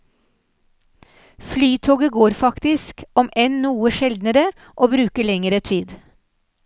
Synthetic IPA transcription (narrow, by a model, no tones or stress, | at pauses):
flyːt̪ʰoːɡəɡoːɾfɑkt̪ɪskɔmʔɛnnuːəʃɛld̪nəɾə | ʔoːbɾʉːkəlɛŋəɾət̪ʰiːd̪